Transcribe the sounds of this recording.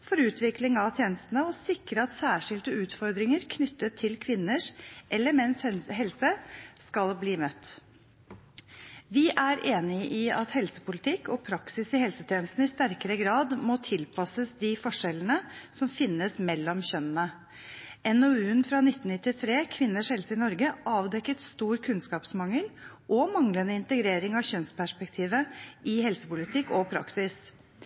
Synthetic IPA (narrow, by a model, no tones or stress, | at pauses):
fɔɾʉːt̪ʋɪklɪŋɑʋt̪ʰjeːnəst̪ənəɔsɪkɾəɑt̪sæːʂɪld̪əʉːt̪fɔɾd̪ɾɪŋəɾkʰnʏt̪ːət̪ʰːɪlkʰʋɪnːəʂʔɛlːəɾmɛnsɦɛlsəskɑlbliːmœt̪ː | ʋɪʔæɾʔeːnɪəʔɪɑt̪hɛlsəpʊlɪt̪ʰɪkːɔpʰɾɑksɪsɪhɛlsət̪ʰjɛːnəst̪nəɪst̪æɾkəɾəɡɾɑːd̪moːt̪ʰɪlpʰɑsəsd̪ɪfɔʂɛlənəsɔmfɪnːəsmɛlːɔmçœnənə | ɛnoʉːnfɾɑnɪt̪ːn̩nɪt̪ːɪt̪ʰɾeːkʰʋɪnːəʂhɛlsəɪnɔɾɡəʔɑːʋd̪ɛkːət̪st̪uːɾkʰʉnskɑːpsmɑŋəlʔɔmɑŋlənəɪnt̪əɡɾeːɾɪŋɑʋçœnspæʂpɛk̚t̪ʰiːʋəɪhɛlsəpʊlɪt̪ʰɪkːɔpʰɾɑ̰ksɪs